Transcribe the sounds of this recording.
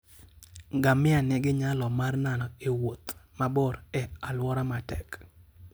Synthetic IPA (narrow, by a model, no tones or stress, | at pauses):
ɡamɪanɛɡɪɲalɔmarnanɔewot̪mabɔɾɛalwɔɾamatɛk